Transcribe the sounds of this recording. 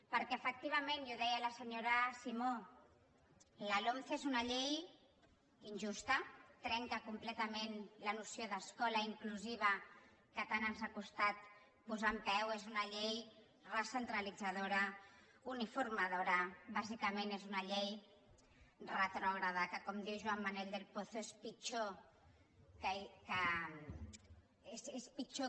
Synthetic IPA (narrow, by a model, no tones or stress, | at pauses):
pəɾkɛəfək̚t̪iβ̞əmenjoðɛjələsəɲoɾəsimo | ləlomθezunaʎej | inʲʒust̪ət̪ɾɛŋkəkumplɛt̪əmenlənusjoðəskɔləiŋkluziβ̞ə | kət̪anənzakust̪at̪̚ | puzampɛwezunaʎej | rasent̪ɾalid͡zað̞oɾa | unifurmað̞oɾaβazikamenezunaʎej | rat̪ɾɔɣɾaðakəkɔmd̪iwʒuamːaneld̪elpoθoespit͡ʃo | kkə | esespit͡ʃo